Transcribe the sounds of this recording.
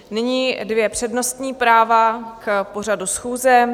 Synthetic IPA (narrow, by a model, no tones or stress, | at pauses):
nɪɲidvjɛpr̝̥ɛdno̞st̪ɲiːpɾaːvakpo̞r̝adusxuːzɛ